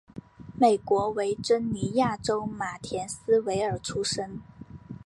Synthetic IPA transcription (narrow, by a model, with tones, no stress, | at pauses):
me˨˩ɪkwɔ˧˥we˧˥ɪʈ͡ʂə˥nni˧˥ja˥˩ʈ͡ʂo˥ʊma˨˩t̪ʰjɛ˧˥nsɹ̩˥we˧˥ɪə˞˨˩ʈ͡ʂʰu˥ʂə˥ŋ